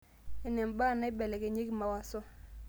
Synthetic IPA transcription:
ɪ˦nɛ˨mba˦˨na˦ɪ˦bɛ˨lɛ˨ke˨ɲe˦kma˨wa˦sɔ˦

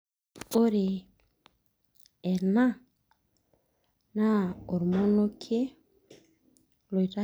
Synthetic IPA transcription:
o˦ɾe˨ | ɛ˨ɾna˦ | na˦o˨ɾmo˦no˦kʰe˦ | lo˨jɾa˦

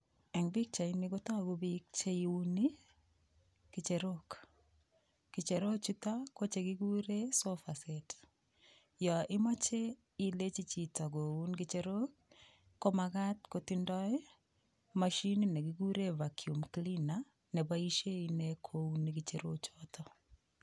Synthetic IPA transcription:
ɛ˨ŋbi˦k̚t͡ʃa˨i˦ni˦ɡo˦tɔ˦˨ɡu˦bi˦k̚t͡ʃe˦iu˦ni | ki˨t͡ʃe˨ɾok | ki˨t͡ʃe˨ɾo˦t͡ʃu˦ta˦ko˦t͡ʃe˨ɡiɡu˦ɾe˦sofa˨sɛt | jɔ˨ʔɪ˦ma˦t͡ʃe˦ | i˦le˦t͡ʃi˦t͡ʃi˨ta˨ɡo˨u˦nkit͡ʃeɾo˦kː | o˦maka˦t̚kotindɔɪ˦ | maʃi˦nine˨kiɡu˦ɾe˦vakʰju˨mklina | nɛ˨baiʃe˦inekʰounikit͡ʃeɾo˦t͡ʃɔtʰɔ

